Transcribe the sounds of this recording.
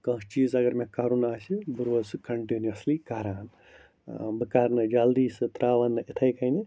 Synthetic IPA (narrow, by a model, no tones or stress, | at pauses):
kɐ̃ɦt͡ʃiːzɐɡɐɾmẽkɐɾunaːsibɨɾoːsɨkɐɳʈiniɐslikaːɾaːn | bɨkaːɾnɨd͡ʒɐld̪iːsɨt̪ɾaːʋɐnːɨʔɪt̪ʰɐjkɐjni